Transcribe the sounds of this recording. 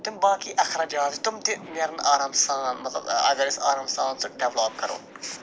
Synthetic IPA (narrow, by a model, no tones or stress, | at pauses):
t̪ʊmbaːkiːʔɐxɾɐd͡ʒaːt̪t̪ʊmt̪ɪmeːɾɐnaːɾaːmsaːnmɐt̪lɐ̰bɐ̰ɡɐɾɪsa̰ːɾaːmst̪aːnsʊkɖeʋloːp̚kɐɾo̰ː